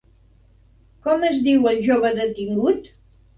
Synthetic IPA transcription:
kɔməzðiwəlˠʒoβəðət̪iŋɡut̪

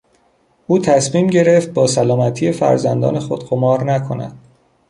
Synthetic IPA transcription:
ʔuːt̪ʰæsmiːmɟe̞ɾe̞ft̪̚bɒːsælɒːmæt̪ʰije̞fæ̰ɾzænd̪ɒ̰ːne̞xo̞d̪̥ɢomɒːɾnækʰo̞næ̰d̪̥

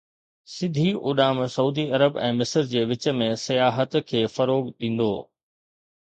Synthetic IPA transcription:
sɪd̪ʱiʔʊɗaːmsɐuːd̪iɐɾəbɛ̰̃ːmɪsəɾd͡ʑeːʋɪt͡ɕə̆mẽsɐjaːɦət̪kʰeːfɐɾoːɡɗ̪ĩːn̆d̪o̰ː

